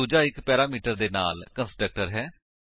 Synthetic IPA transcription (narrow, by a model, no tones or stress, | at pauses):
uːd͡ʒaːɪkpɛːɾaːmiːʈəɾd̪eːna̰ːlkənsʈɾək̚ʈəɾɦɛː